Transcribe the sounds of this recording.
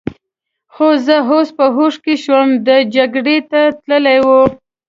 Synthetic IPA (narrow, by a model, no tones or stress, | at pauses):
xozəɦospəɦoʂkeʃwəmd̪əd͡ʒaɡɽet̪at̪ləlajwu